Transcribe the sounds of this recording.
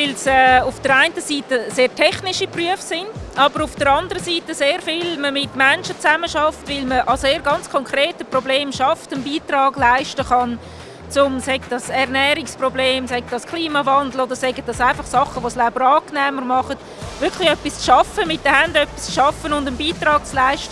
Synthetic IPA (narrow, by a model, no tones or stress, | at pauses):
ʋɪlsɛːʊfd̥əɾaɪntəsiːtəseːrtʰɛχnɪʃipryəfsɪndɑbəɾʊfd̥əɾɑndəɾəsiːtəseːɾfɪlməmɪtmɛnʃət͡sæməʃɑftvɪlməʔɑseːɾɡɑnt͡skʰɔŋkʰreːtəprobleːmʃɑftənbiːtrɑːɡlaɪʃtəχɑn | t͡sʊmsɛɡd̥ɑsɛɾnɛːɾɪksprobleːmsɛɡ̚dɑskʰliːmɑvɑndl̩odəɾsɛɡət̚dɑsaɪfɑχsɑχːəʋoslab̥əɾɑːknɛːməɾmɑχət | vɪkχlɪœpist͡sʃɑfəmɪt̚dəhandœpi̥st͡sʃɑfənʊndənbiːtrɑːk̚t͡slaɪʃtə